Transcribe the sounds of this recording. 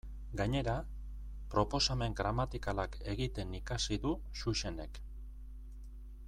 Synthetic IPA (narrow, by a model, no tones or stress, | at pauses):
ɡaɲe̞ɾa | pɾo̞po̞same̞ŋɡɾamat̪ikalake̞ɣit̪e̞nikasiðu | suʃe̞ne̞k